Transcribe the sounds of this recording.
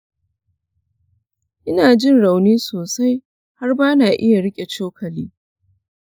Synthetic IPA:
ʔɪ˦naː˨d͡ʒɪ˦˨nɽa˨wniː˦soː˨sa˦j | ha˦rbaː˦naː˨ʔɪ˦ja˨ɽɪ˦kʲʼe˨t͡ʃoː˦kʰɐ˨liː˦

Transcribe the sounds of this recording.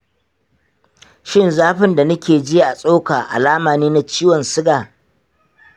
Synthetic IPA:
ʃɪ˦nzaː˦ɸɪ˦nda˨nʊ˦kʲeː˨d͡ʒɪ˦ʔa˨sʼo˦ka˨ʔa̰˨laː˦maː˨niː˦na˦t͡ʃiː˦wɔ˨nsɪ˦ɡaː˨

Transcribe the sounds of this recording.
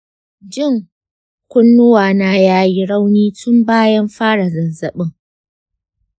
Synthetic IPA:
d͡ʒɪ˦˨ŋ | kʷʊ˦nːʊ˦waː˨na˦jaː˦ji˦ɽa˦wniː˦tʊ˦mbaː˦jɐ˦mɸaː˦ɽa˨zɐ˨nzɐ˨ɓɪ˦ŋ

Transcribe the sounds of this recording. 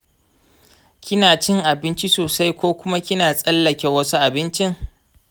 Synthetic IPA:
kʲɪ˦naː˨t͡ʃɪ˦ŋʔa˨bɪ˦nt͡ʃi˦soː˨sa˦jkʷoː˦kʷʊ˦ma˦kʲɪ˦naː˨sʼɐ˦lːɐ˨kʲe˨wɐ˦su˦ʔa˨bɪ˦nt͡ʃɪ˦ŋ

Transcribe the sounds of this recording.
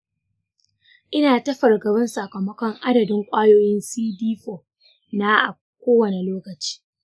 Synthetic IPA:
ʔɪ˦naː˨tɐ˦ɸɐ˨rɡɐ˨bɐ˦nsa˨kɐ˨mɐ˦kʷɔ˦ŋʔa˦dɐ˨dɪ˦ŋkʷʼaː˦joː˦jɪ˦nsiː˦diː˦ɸoː˨ | na˦ʔa˨ | kʷoː˦wɐ˨ne˨loː˦kɐ˨t͡ʃi̥ː˦

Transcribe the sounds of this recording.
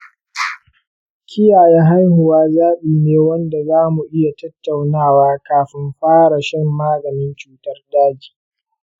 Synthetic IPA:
kʲʰɪ˦jaː˨jɛ˦ɦa˦jhʊ˨waː˦zaː˦ɓiː˨neː˦wɐ˦nda˨zaː˦mu˨ʔɪ˦ja˨tɐ˦tːa˨wnaː˦˨waː˦kaː˨ɸɪ˦mɸaː˦ɽa˨ʃɪ˦mːaː˦ɡɐ˨nɪ˦nt͡ʃuː˨tɐ˦rdaː˦d͡ʒi̥ː˨

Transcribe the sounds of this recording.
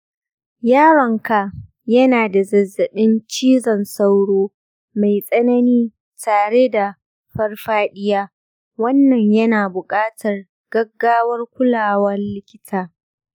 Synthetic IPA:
jaː˦ɾɐ˨ŋka˨ | jɐ˦naː˨da˨zɐ˨zːɐ˨ɗɪ˦nt͡ʃiː˦zɐ˨nsɐ˦wɽoː˦ | ma˨jsʼɐ˦nɐ˦niː˦ | taː˨ɽe˦da˨ | ɸɐ˦rɸaː˦ɗɪ˦jaː˦ | wɐ˦nːɐ˨ɲjɐ˦naː˨bʊ˨kʼaː˦tʰɐ˨r | ɡ̥ɐ˦ɡːaː˦wɐ˦rkʷʊ˦laː˨wɐ˦rlɪ˦kʲɪ̥˦tʰaː˦

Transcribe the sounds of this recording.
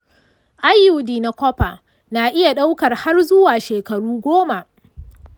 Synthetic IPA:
ʔa˦jːʊ˨diː˨na˨kʷɔ˦ɸa˨ | na˨ʔɪ˦ja˨ɗa˦wkɐ˨rha˦rzʊ˦waː˨ʃeː˨kɐ˨ɽuː˦ɡʷoː˦ma˨ʔ

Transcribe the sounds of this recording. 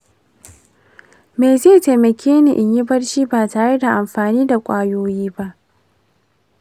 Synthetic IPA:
meː˨zeː˦˨te˨mɐ˨kʲeː˦nḭ˨ʔɪ˨ɲji˦bɐ˦rʃiː˦baː˨taː˨ɽe˦da˨ʔa˨mɸaː˨niː˦da˨kʷʼaː˦joː˦jiː˦ba˦ʔ

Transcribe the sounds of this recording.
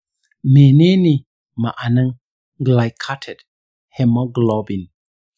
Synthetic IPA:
me˨ne˦ni˨ | ma˨ʔa˨na˦ŋ | ɡla˨jkʰa˦tʰɛ˨t̚ | hɛ˧mɔ˦ɡlɔbi˨n

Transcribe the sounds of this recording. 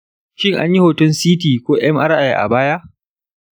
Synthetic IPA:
ʃɪ˦ŋʔa̰˦ɲji˦ho˨tʊ˦nsiː˦t̬iː˨kʷoː˦ʔɛ˦mʔa˦ɾʔa˨jʔa̰˨baː˦ja˦ʔ

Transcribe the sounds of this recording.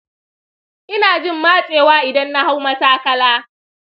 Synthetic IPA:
ʔɪ˦naː˨d͡ʒɪ˦˨mːaː˦t͡ʃʼeː˨waː˦ʔɪ˨dɐ˦nːa˦ha˦wmɐ˦saː˦kɐ˦laː˦

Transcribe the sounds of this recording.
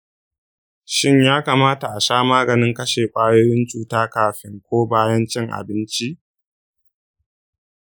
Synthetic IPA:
ʃɪ˦ɲjaː˦kaː˨maː˦ta˨ʔa˨saː˦maː˦ɡɐ˨nɪ˦ŋkɐ˦ʃeː˨kʷʼaː˦joː˦ɾɪ˦nt͡ʃʼuː˨taː˦kaː˨ɸɪ˦ŋkʷoː˦baː˦jɐ˦nt͡ʃɪ˦ŋʔa̰˨bɪ˦nt͡ʃi˦ʔ

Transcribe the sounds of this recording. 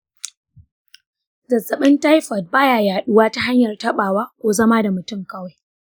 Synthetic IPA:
zɐ˨zɐ˨ɓɪ˦nta˦jɸɐ˨t̚baː˦jaː˨jaː˨ɗʊ˦waː˦ta˦ɦa˦ɲjɐ˨rtɐ˦ɓaː˨waː˦kʷoː˨zɐ˦maː˦da˨mʊ˨tʊ˦˨mkɐ˦wa˨j

